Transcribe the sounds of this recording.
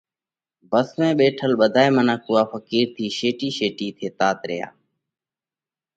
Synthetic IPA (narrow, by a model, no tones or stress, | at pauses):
bəsmẽːɓeːʈʰəlɓəd̪ʱaːeːmənaːkuːaːfəkiːɾt̪ʰiːʃeːʈiːʃeːʈiːt̪ʰeːt̪aːt̪ɾɪ̰ja̰ː